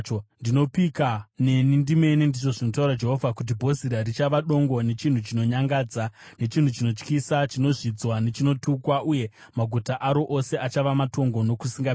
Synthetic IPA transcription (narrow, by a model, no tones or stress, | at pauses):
ndino̞pikane̞nindime̞nindiʐo̞ʐino̞tauɾad͡ʒe̞ɦo̞vʱakut̬ibʱo̞ziɾaɾit͡ʃaʋaɗo̞ŋɡo̞ne̞t͡ʃin̤ut͡ʃino̞ɲaŋɡaːd͡za | ne̞t͡ʃin̤ut͡ʃino̞t͡ʃkisat͡ʃino̞ʐid͡zwane̞t͡ʃino̞tukwaʔuje̞ | maɡʱutaʔaɾo̞ʔose̞ʔat͡ʃaʋamato̞ŋɡo̞no̞kusiŋɡa